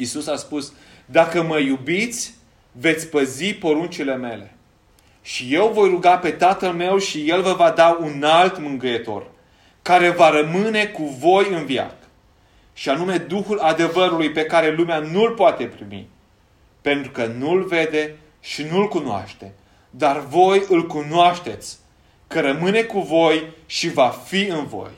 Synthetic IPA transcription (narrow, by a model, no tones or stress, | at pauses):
isusaspus | d̪akəməjubit̪sʲ | ve̞t̪sʲpəzipo̞ɾunt͡ʃile̞me̞le̞ | ʃije̞wvo̞jɾuɡape̞t̪at̪əlme̞wʃije̞lvəvad̪aunalt̪mɨŋɡəjet̪o̞̰r | kaɾe̞vaɾəmɨne̞kuvo̞jɨnvia̰k | ʃianume̞d̪uxulad̪e̞vəɾulujpe̞kaɾe̞lumeanulpoat̪e̞pɾimḭ | pe̞nt̪ɾukənulve̞d̪e̞ | ʃinulkunoa̰ʃt̪e̞ | d̪arvo̞jɨlkunoaʃt̪e̞t̪sʲ | kəɾəmɨne̞kuvo̞jʃivafiɨnvo̞̰j